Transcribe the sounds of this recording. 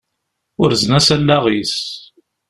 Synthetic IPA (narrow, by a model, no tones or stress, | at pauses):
ʊɾznæsælːæʁis